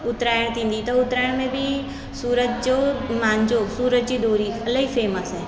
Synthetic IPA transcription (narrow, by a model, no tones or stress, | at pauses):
ʊt̪ɾaːjəɽ̃t̪ʰĩːn̆d̪it̪ɐʊt̪ɾaːjəɽ̃mẽbʱi | suːɾəd͡ʒd͡ʒomãːɲd͡ʒosuːɾəd͡ʒd͡ʑid̪oːɾiɐləɦifeːməsɦɛː